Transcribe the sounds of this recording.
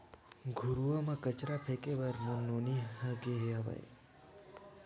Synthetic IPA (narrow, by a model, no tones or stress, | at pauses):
ɡʱuɾuʋamãkət͡ʃɾapʰekeʋəɾmononiɦəɡeɦeaʋa̰j